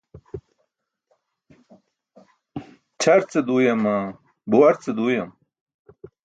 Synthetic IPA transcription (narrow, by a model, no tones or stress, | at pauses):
t͡ɕʰɐɾt͡sed̪uːjɐmɐ | buwɐɾt͡sed̪uːjɐm